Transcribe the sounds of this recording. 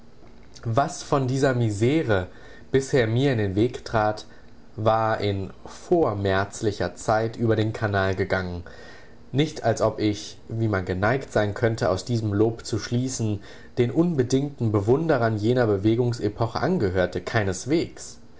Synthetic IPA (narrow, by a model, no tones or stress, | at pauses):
vasfɔndiːzɐmizeːʁə | b̥ɪsheːɐmiːɐɪ̃ndeːnveːktʁ̥aːt | vaːɐʔɪnfoːɐmɛɐt͡slɪçɐt͡saɪtʔyːbɐɾeːnkʰanaːlɡəɡaŋən | nɪçtʰalsʔɔpɪç | viːmanɡənaɪktz̥aɪnkʰœntəa̰ʊsd̥iːzəmloːpt͡suʃliːsn̩ | d̥eːnʔʊnbədɪŋtn̩bəvʊndəʁɐnjeːnɐbəveːɡʊŋsepʰɔχəʔanɡəɦøːɐtəkʰaɪnəsv̥eːks